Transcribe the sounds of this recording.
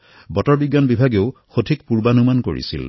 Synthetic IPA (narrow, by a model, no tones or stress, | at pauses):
bɔtɔɹbiɡːanbibʱaɡeʊxotʰik̚puɹbanumanko̰ɹḭsḭl